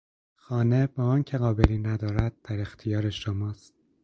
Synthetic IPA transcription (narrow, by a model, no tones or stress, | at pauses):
xɒːne̞bɒːɒːncʰe̞ɣɒːbeliːnæd̪ɒːɾæd̪̥̚ːæɾe̞xt̪ʰijɒːɾeʃomɒːst̪̚